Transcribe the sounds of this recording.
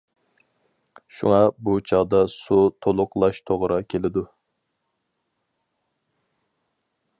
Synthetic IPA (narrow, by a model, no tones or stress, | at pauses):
ʃṵŋɑbut͡ʃʰɑʁd̪ɑsut̪ʰolˠʊqlˠɑʃt̪ʰoʁɾɑkʲʰelɪd̪u